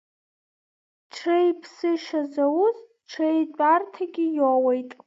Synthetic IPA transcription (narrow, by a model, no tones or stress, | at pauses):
ʈ͡ʂʰrejpʰsɨʃazawʊz | ʈ͡ʂʰejdʼartʰaɡʲɪjowejtʼ